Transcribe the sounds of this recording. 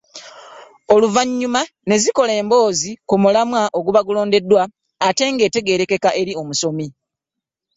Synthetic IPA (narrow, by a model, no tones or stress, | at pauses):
o̞luvaɲːuma | ne̞ziko̞le̞ːmbo̞ːzikumulamwaʔo̞ɡuβaɡulo̞ːnde̞dːwaː | te̞ŋɡe̞ːte̞ɡe̞ːɾe̞ke̞kaʔe̞ɾio̞muso̞mi